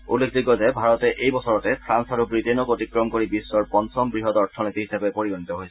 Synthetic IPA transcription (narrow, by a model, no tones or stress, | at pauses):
ṵlːek̚ʰdiɡɔzɛbʱaɹɔtɛʔejbɔsɔɹɔtɛpʰɹansaɹubɹitenɔkotikɹɔmkoɹibisːɔɹpɔnsɔmbɹiɦɔtɔɹtʰɔnitiɦisabɛpoɹibɔnitɔɦojsɛ